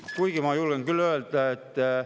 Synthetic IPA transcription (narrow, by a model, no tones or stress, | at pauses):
kuiɡ̥imɑjulɡeŋkylːøelt̪æet̪ː